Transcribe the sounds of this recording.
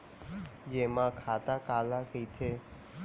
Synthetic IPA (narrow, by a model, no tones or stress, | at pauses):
d͡ʒemãkʰat̪akalakʰəit̪ʰe